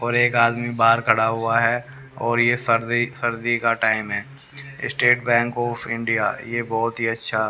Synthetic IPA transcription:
ɔːɾeːkaːd̪mibaːɾkʰɐɽaɦʊaɦɛ | ɔːɾjesəɾd̪isəɾd̪ikaʈaːɪmɦɛː | ɪ̰sʈeːʈbɛ̃ːŋkɔːpʰɪ̃ɳɖija̰ːjebɔːt̪ɦiɐtːʃʰa

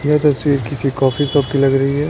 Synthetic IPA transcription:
nat̪ɐswiːɾkɪsikɔːfisɐb̚kilɐɡɾɐɦiɦɛː

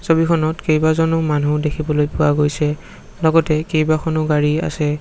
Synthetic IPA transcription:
sobikʰɔnɔtkejbazɔnʊmanʱudekʰibɔlojpʊaɡojsɛ | lɔɡɔtɛkejbakʰɔnʊɡaɹia̰sɛ

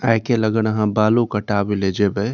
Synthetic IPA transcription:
ajkeləɡənəɦãbalukəʈabeled͡ʒebɛ

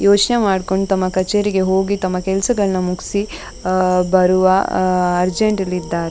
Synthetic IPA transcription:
joːt͡ʃnemaːɖko̞ɳɖt̪ɐmːɐkɐt͡ʃeːɾiɡe̞ɦo̞ːɡit̪ɐmːɐkɛlɐsɐɡɐɭɐnɐmuksi | bɐɾuʋɐɐɾd͡ʒeɳʈɐlid̪ːaːɾe

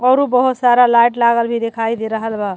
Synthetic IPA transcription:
ɔɾubəɦut̪saɾalajʈlaɡəlbʱid̪ekʰajd̪eɾəɦəlba

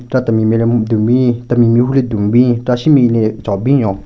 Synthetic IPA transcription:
ʈ͡ʂat̪amimied̪ubit̪amimiɦuled̪uŋbiʈ͡ʂaɕimilet͡ɕabijɔ

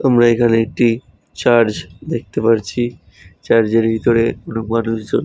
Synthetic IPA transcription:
amɾaekʰaneek̚ʈi | t͡ɕaɾd͡ʑd̪ek̚ʰt̪epaɾt͡ɕʰi | t͡ɕaɾd͡ʑeɾbʱit̪oɾeonumanuʃd͡ʑon

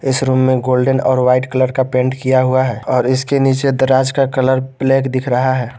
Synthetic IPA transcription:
ɪsɾuːmːẽɡoːlɖənɔːɾʋaːɪʈkələɾkapẽːɳʈkijaɦuaɦɛːɔːɾɪskeniːt͡ʃed̪əɾaːd͡ʒkakələɾpleːkd̪ɪkʰɾəɦaɦɛː

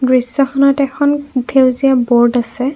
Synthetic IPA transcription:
ɡɹisɔxɔnɔtɛkʰɔndʰewzijabɔɹdasɛ

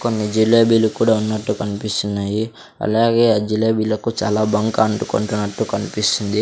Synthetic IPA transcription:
ko̞nːid͡ʒilːaːbiːlukuːɽaːunːɐʈːukɐnipist̪unːaːji | ɐ̰laːɡeːad͡ʒilːeːbiːlɐkut͡ʃaːlaːbɐŋkaːɳʈuko̰ɳʈunːɐʈːukɐnipisind̪i

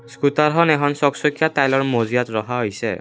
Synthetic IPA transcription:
skutaɾɦɔnɛkʰɔnsɔksokʰijatajlɔɹmozijatɹɔɦaɦojsɛ̰

